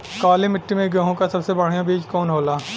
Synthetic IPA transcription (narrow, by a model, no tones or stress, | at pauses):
kaːlemɪʈːimẽɡɐɦõkasɐbsebɐɽ̤ijãbeːd͡ʒkɔːnɦoːlaː